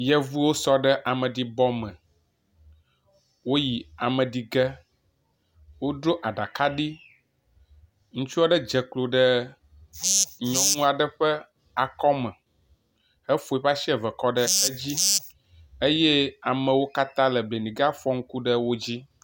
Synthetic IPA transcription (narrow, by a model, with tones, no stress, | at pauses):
jɛ˦vu˦wo˦sɔ˦ɖə˦ʔa˨mə̃˨ɖi˨bɔ˦mə̃˨ | wo˦ji˨a˨mə̃˨ɖi˨ɡɛ˦ | wo˦ɖo˦ʔa˨ɖa˨ka˦ɖi˦ | ŋũ˦t͡ʃu˦a˦ɖə˦d͡ʒɛ˨klo˨ɖə˦ | ɲɔ̃˦nũ˦a˨ɖə˦ɸɛ˦ | a˨kɔ˦mɛ̃˨ | hɛ˦fo˨i˨ɸa˦ʃi˦ɛ˨vɛ˨kɔ˦ɖə˦e˦d͡ʑi˦ | e˦jɛ˦a˨mə̃˨wo˦ka˦t̪ã˦lɛ˨ble˨nĩ˨ɡa˦fɔ˦ŋ̩˦ku˦ɖə˦wo˦d͡ʑi˦